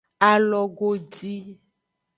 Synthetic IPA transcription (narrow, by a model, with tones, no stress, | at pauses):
a˨lɔ˨ɡo˦d͡ʒi˦